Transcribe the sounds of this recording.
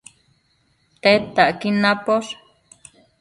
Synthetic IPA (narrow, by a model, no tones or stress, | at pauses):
t̪et̪aʔkinãpoʂ